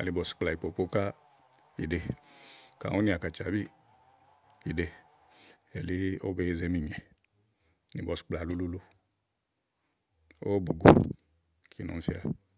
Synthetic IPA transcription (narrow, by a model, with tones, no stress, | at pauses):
a̰˨li˨bɔ˨si̥˨k͡pla˨i˨po˨po˦ka˦ | ḭ˨de˧ | ka̰˨o˦ni˦˧˨a˨ka˨t͡ʃa˨bi˦ | i˨de˧ | e˨li˦o˦be˧e˦˧ze˧˦mi˨ɲɛ˨ | ni˨bɔ˨si̥˨k͡pla˨lu˦lu˦lu˦ | o̰˦bo˨ɡo˨ | kʰi˨˦no̰˨m˦fi˧a˨